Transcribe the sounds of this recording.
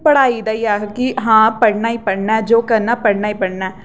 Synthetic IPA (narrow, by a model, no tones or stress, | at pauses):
pəɽaːiːd̪aːiːaːkɪɦãːpəɽnaːiːpəɽnaɛd͡ʒoːkəɾnaːpəɽnaːiːpəɽnaːɛː